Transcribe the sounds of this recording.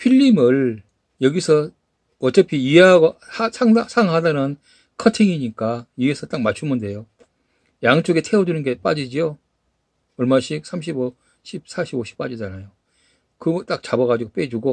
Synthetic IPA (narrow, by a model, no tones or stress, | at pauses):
pʰiʎːimɯɭ | jʌɡisʰʌ | ʌt͡ɕ͈ʌpʰiieɦaɡoasʰaŋasʰaŋɦadanɯn | kʰʌtʰiŋiɲik͈aie̞sʰʌt͈ak̚mat͡ɕʰumunde̞jo | jaŋt͡ɕ͈oɡe̞tʰeodunɯnɡe̞p͈ad͡ʑid͡ʑio | ʌɭmaɕʰik̚sʰamɕ̬ʰibo | ɕʰip̚sʰaɕʰiboɕʰi̥p͈ad͡ʑid͡ʑanajo | kɯʌt͈ak̚t͡ɕabʌɡad͡ʑiɡop͈e̞d͡ʑuɡo